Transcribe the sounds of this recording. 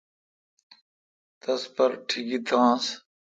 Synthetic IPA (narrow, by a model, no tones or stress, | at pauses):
t̪ɐspɐɾʈʰiɡit̪ʰãːs